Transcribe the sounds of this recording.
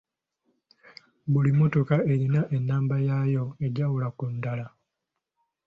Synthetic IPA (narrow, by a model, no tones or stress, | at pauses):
bulimo̞to̞kae̞ɾinaʔe̞nːaːmbajajo̞e̞ɟawulakundala